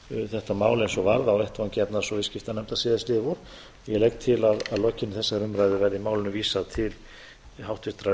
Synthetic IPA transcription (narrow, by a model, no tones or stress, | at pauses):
θɛht̪amaːwlensɔvaɾðaɔwɛht̪vancɛpnaɾsɔvɪscɪft̪anɛmt̪asɪːðɪst̪lɪːvʊɾ̥ | jɛlɛjkt̪ʰɪlaðaðlɔcːɪnɪθɛsːaɾʏmɾajðʏvɛɾðɪmaːwlɪnʏviːsaðt̪ʰɪl | hawht̪ʏht̪ɾa